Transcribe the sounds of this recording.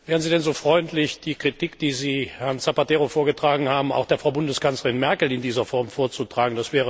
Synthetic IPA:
vɛːʁənziːdɛnzoːfʁ̥ɔʏntʰlɪçd̥iːkʁ̥itikd̥iːziːhɛɐnsapateːʁofoːɐɡətʁ̥aːɡŋ̩haːbm̩a̰ʊxd̥eːɐfʁaʊbʊndəskant͡slɐʁɪnmɛɐkl̩ɪndiːzɐfɔɐmfoːɐt͡sutʁ̥aːɡŋ̩dasv̥ɛːə

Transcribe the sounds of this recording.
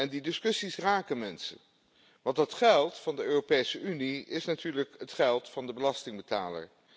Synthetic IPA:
ɛndidɪskɵsisraːkənmɛnsə̰n | ʋɑntdɑtχɛlˠtfɑndəøːropejsəʔyniɪsnatyːɹləkɦətχɛlˠtfɑndəbəlɑstɪŋbəta̰ːlə̰ɹ

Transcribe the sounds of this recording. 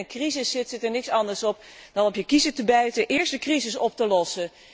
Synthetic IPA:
ənkrizɪsːɪtsɪtəɹnɪksɑndəɹsɔp | d̥ɑnɔpjəkizətəbɛɥtəʔɪːɹstdəkrizɪsɔp̚təlɔsə

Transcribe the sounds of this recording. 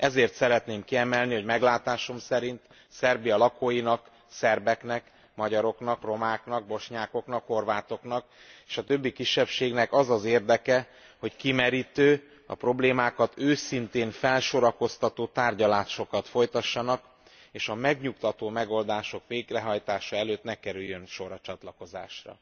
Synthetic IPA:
ɛzeːrt̪sɛɾɛt̪neːmkiɛmɛlniho̞ɟmɛɡlaːt̪aːʃo̞msɛɾint̪ | sɛrbijɒlɒkoːjinɒk | sɛrbɛknɛk | mɒɟɒɾo̞knɒkro̞maːknɒɡ̚bo̞ʃɲaːko̞knɒkho̞rvaːt̪o̞knɒk | eːʃɒt̪øbːikiʃːɛpʃeːɡnɛkɒzɒzeːrd̪ɛkɛ | ho̞ckimɛɾiːt̪øː | ɒ̰pro̞bleːmaːkɒt̪øːsint̪eːɱfɛlʃoɾɒko̞st̪ɒt̪oːt̪aːrɟɒlaːʃo̞kɒt̪fo̞jt̪ɒʃːɒnɒk | eːʃɒmɛɡɲukt̪ɒt̪oːmɛɡo̞ld̪aːʃo̞kʋeːɡrɛɦɒjt̪aːʃɒɛløːt̪nɛkɛɾyjːønʃo̞ɾɒt͡ʃɒt̪lɒko̞za̰ːʃrɒ̰

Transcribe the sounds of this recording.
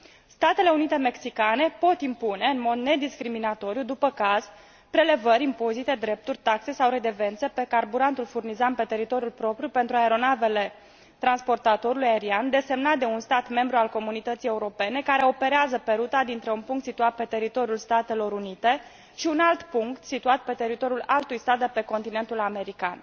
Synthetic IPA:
st̪at̪e̞le̞unit̪e̞me̞ksikane̞po̞t̪impune̞ɨnmo̞d̪ne̞d̪iskɾiminat̪o̞ɾjud̪upəkaz̥ | pɾe̞le̞vəɾʲimpo̞zit̪e̞d̪ɾe̞p̚t̪urʲt̪akse̞sawɾe̞d̪e̞ve̞nt̪sepe̞karbuɾant̪ulfurnizampe̞t̪e̞ɾit̪o̞ɾjulpɾo̞pɾʲjupe̞nt̪ɾuaeɾo̞nave̞le̞ | t̪ɾanspo̞rt̪at̪o̞ɾulujaeɾiand̪e̞se̞mnat̪̚d̪e̞unst̪at̪me̞mbɾualko̞munit̪ət̪sije̞uɾo̞pe̞ne̞kaɾe̞o̞pe̞ɾeazəpe̞ɾut̪ad̪int̪ɾe̞unpuŋkt̪sit̪uat̪̚pe̞t̪e̞ɾit̪o̞ɾjulst̪at̪e̞lo̞ɾunit̪e̞ | ʃiunalt̪puŋkt̪sit̪uat̪̚pe̞t̪e̞ɾit̪o̞ɾijulalt̪ujst̪at̪̚d̪epe̞ko̞nt̪ine̞nt̪ulame̞ɾika̰n

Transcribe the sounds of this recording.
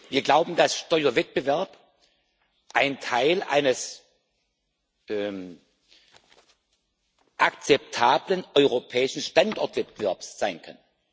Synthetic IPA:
viːɐɡlaʊbm̩dasʃtɔʏɐvɛt̚b̥əvɛɐp | ʔaɪntʰaɪlʔa̰ɪnəs | ɛm | ʔakt͡sɛp̚tʰaːblənʔɔʏʁ̞opʰɛːɪʃn̩ʃtantʔɔɐtv̥ɛt̚bəvɛɐpsz̥aɪnkʰa̰n

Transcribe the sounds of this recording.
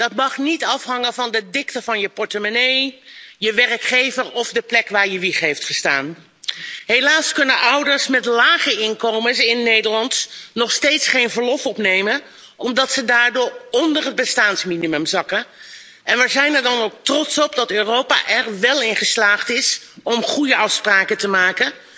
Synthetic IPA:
d̥ɑtmɑχnitɑfɦɑŋəvɑndədɪktəvɑnjəpɔɹtəmənejjəʋɛrkχejvəɹɔvdəplɛkʋaːɹjəʋiχɦejftχəsta̰ːn | ɦejlaːskɵnənʔʌwdəɹsmɛtlaːχəɪnkowməsɪnːejdəɹlɑntnɔχstejtsχejnvəɹlɔfɔpnejmən | ɔmdɑtsədaːɹdʊːɹɔndərɦəd̚bəstaːnsminimɵmzɑkən | ɛnʋəzɛjnɛɹdɑnowk̚trɔtsɔp̚dɑtøːrowpa̰ʔɛɹʋɛlˠɪnχəslaːχtɪsɔmχujəɑfspraːkətəmaːkən

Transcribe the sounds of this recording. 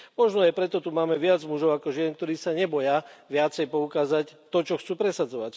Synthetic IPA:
mɔʒnɔajpɾɛt̪ɔt̪umaːmɛʋɪad͡zmuʒɔʊakɔʒɪɛŋkt̪ɔɾiːsaɲɛbɔjaʋɪat͡sɛjpɔukaːzact̪ɔt͡ʃɔxt͡suːpɾɛsad͡zɔʋac

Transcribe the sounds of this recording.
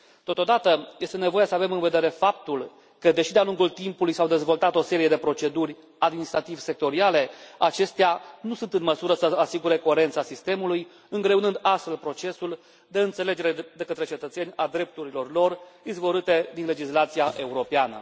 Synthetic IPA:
t̪o̞t̪o̞d̪at̪əje̞st̪e̞ne̞vo̞jasəave̞mɨnve̞d̪eɾe̞fap̚t̪ul | kəd̪e̞ʃid̪ealuŋɡult̪impulujsawd̪e̞zvo̞lt̪at̪o̞se̞ɾije̞d̪e̞pɾo̞t͡ʃe̞d̪urʲ | ad̪minist̪ɾat̪ivse̞k̚t̪o̞ɾiale̞at͡ʃe̞st̪eanusunt̪ɨnməsuɾəsəasiɡuɾe̞ko̞e̞ɾe̞nt̪sasist̪e̞muluj | ɨŋɡɾe̞unɨnd̪ast̪fe̞lpɾo̞t͡ʃe̞sul | d̪e̞ɨnt̪se̞le̞d͡ʒe̞ɾe̞d̪e̞kət̪ɾe̞t͡ʃe̞t̪ət̪se̞nʲad̪ɾe̞p̚t̪uɾilo̞rlo̞rizvoɾɨt̪e̞d̪inle̞d͡ʒislat̪sijaʔe̞uɾo̞peanə̰

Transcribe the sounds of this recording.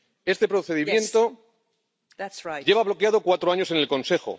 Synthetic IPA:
est̪e̞pɾo̞θe̞ðimjẽ̞nt̪o̞ | ɟ͡ʝe̞βaβ̞lo̞keaðo̞kwat̪ɾoaɲo̞se̞ne̞lkõ̞nse̞xo̞̰

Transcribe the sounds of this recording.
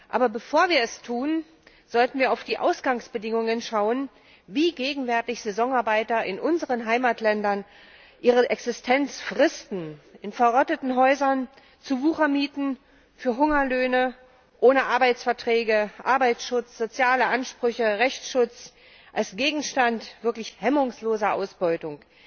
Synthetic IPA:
ʔa̰ːbɐbəfoːɐviːɐɛstʰuːn | z̥ɔltn̩viːɐaʊfd̥iːʔa̰ʊsɡ̥aŋsb̥ədɪŋʊŋənʃaʊən | viːɡeːɡŋ̩vɛɐtɪçz̥ezɔŋaɐbaɪtɐɪnʔʊnzəʁənɦaɪmaːtlɛndɐn | ʔiːʁəʔɛksɪstʰɛnt͡sfʁ̥ɪstn̩ʔɪnfɛɐʁɔtətn̩ɦɔʏzɐn | t͡suvuːχɐmiːtn̩ | fyːɐɦʊŋɐløːnə | ʔoːnəʔaɐbaɪt͡sfɛɐtʁ̥ɛːɡəʔa̰ɐbaɪsʃʊt͡sz̥ot͡sjaːləʔanʃpʁ̥ʏçəʁɛçʃʊt͡s | ʔalsɡ̥eːɡŋ̩ʃtantv̥ɪɐklɪçhɛmʊŋsloːzɐʔa̰ʊsb̥ɔʏtʊŋ

